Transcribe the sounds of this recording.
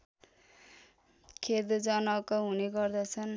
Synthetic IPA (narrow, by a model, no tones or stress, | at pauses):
kʰed̪d͡zʌnʌkʌɦuneɡʌrd̪ʌt͡sʰʌn